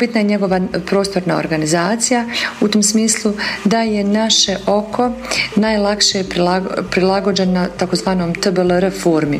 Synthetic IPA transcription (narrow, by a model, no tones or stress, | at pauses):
bit̪najeɲe̞ɡo̞ʋapɾo̞ːst̪o̞ɾnao̰ɾɡanizaːt̪sijaut̪omsmiːslˠud̪ajenaʃeʔo̞kʰo̞naːjlˠakʃepilapɾilˠaɡo̞d͡ʑe̞nat̪ako̞zʋaːnomt̪bəlˠɾfoːɾmi